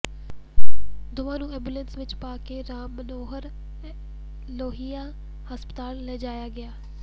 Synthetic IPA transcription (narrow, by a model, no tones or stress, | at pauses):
d̪ʊʋãːnũeːbuːlẽnsʋɪt͡ɕpaːkeɾãːɓɐnoːɦəɾ | loːɦija | həspət̪aːlːɐːd͡ʑaːjaɡɪjaː